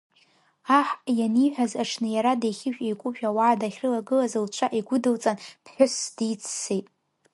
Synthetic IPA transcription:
aħjaniħʷᶣazaʈ͡ʂʰnɨjaɾadejχʲɪʃᶣejkʷʼʊʒᶣawaʕːdaχʲrɨlaɡɨlazɨlt͡ʃʷʰaʔiɡʷʊdɨlt͡sʼanpʰħʷᶣʊsd̥it͡sʰsejtʼ

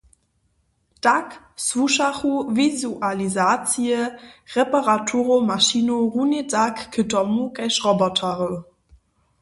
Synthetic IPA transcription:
d̥ak | suʃaχuvizuʔalizaːt͡siəʁepaʁatʰuʁomaʃinoʁunedakːʰətɔmukɛʃʁɔbɔtʰaʁə

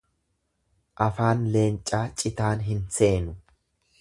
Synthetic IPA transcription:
ʔɐfaːnleːnt͡ʃʼːaːt͡ʃʼɪt̪aːnɦɪnse̞ːnʊ

